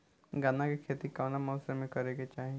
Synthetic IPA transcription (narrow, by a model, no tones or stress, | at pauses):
ɡaːnakekʰeːt̪ikaːnamɔːsemẽkɐɾeɡet͡ʃaːɦĩe